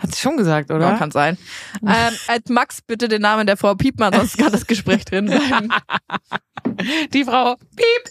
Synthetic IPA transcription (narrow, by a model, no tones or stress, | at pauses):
hatz̥iʃoːnɡəzaːk̚tʔoːdkʰanz̥aɪnʔɛːʔalsmaksb̥ɪtədeːnaːməndeːɐfʁ̥aʊpʰiːpmanzɔnstkʰandasɡ̥əʃpʁ̥ɛːçd̥ʁɪnzaɪm̩ | d̥iːfʁ̥aʊpʰiːp